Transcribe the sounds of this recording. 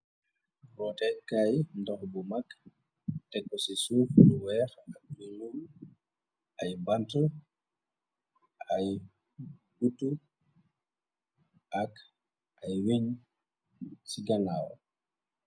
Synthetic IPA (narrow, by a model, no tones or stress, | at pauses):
ɾɔtɛkajndɔhbumak | tɛkːɔsisufulwɛɾakilum | ʔajbantɔ | aj | ɡutːu | ak | ʔajwiɲ | siɡanaːwɔ̰